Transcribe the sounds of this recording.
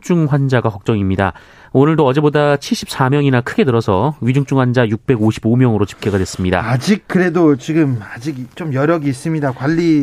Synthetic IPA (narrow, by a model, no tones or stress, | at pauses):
t͡ɕ͈uŋɸwand͡ʑaɡakʌk̚t͡ɕ͈ʌŋimɲida̰ | onɯɭdoʌd͡ʑe̞bodat͡ɕʰiɭɕ͈ʰip̚s͈amjʌŋinakʰɯɡe̞tɯɾʌsʰʌɥid͡ʑuŋt͡ɕ͈uŋɸwand͡ʑajuk̚p͈e̞ɡoɕʰibomjʌŋɯɾot͡ɕi̥p̚k͈eɡadwe̞s͈ɯmɲida̰ad͡ʑik̚k͈ɯɾe̞dot͡ɕiɡɯmad͡ʑiɡt͡ɕomjʌɾjʌɡiːs͈ɯmɲidakwaʎːi